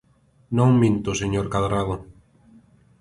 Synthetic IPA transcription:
nõŋmĩnt̪ʊseɲoɾkaðɾaðʊ

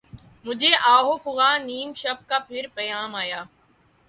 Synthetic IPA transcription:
mʊd͡ʑʱeʔaːɦoːfʊɣaːniːmʃəp̚kaːpʰɪɾpɐjaːmaːjaː

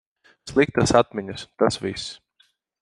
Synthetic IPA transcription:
slˠik̚t̪asat̪̚mʲɛɲʲast̪asvʲis

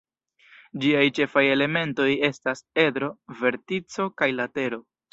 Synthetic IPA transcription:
d͡ʒiajt͡ʃe̞faje̞le̞me̞nto̞je̞stase̞d̪ɾo̞ve̞ɾtit͡so̞kajlate̞ɾo̞

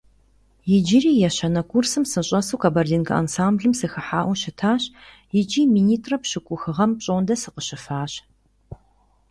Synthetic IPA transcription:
jɪd͡ʒɪɾiːjɛɕɐnɐkʰʷursɨmsɨɕʼɐsuːkʰɐbɐrdiːnkʰɐ̰ʔa̰nsaːmbɮɨmsɨxɨħaːʔʷʊɕɪtʰaːɕ | jɪd͡ʒiːmiːniːtʰʼrɐpɕɨkʷʼʊxɨʁɐmpɕʼondɐsɨqəɕɪfaːɕ

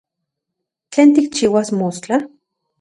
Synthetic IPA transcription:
t͡ɬeːnt̪ik̚t͡ʃiːwasmost͡ɬa

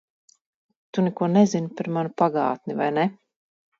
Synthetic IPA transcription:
t̪unɛkuɔnɛzinpɛɾmanupaɡa̰ːt̪nʲivajnɛ

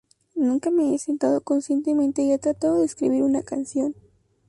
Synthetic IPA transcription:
nũŋkame̞ese̞nt̪aðo̞ko̞nsje̞nt̪emẽnt̪e̞iet̪ɾat̪aðoðeskɾḭβ̞iɾunakansjo̞n

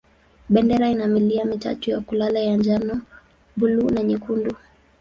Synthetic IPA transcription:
ɓɛndɛɾainamiliamita̰tujakulalajand͡ʒanɔ | bulunaɲikundu

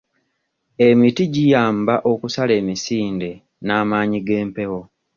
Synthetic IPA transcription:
e̞mitiɟijaːmbaʔo̞kusale̞ːmisiːnde̞ | naːmaːɲiɡe̞ːmpe̞ho̞

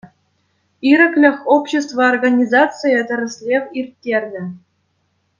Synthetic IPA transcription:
iɾʲɘ̆klʲɘ̆xʲopɕĕs̬t̪vɤorɡanʲizatt͡sɨjɤ̆t̪ʲɘ̆ɾʲɘ̆sʲlʲevʲirʲtʲːerʲnʲɘ̆

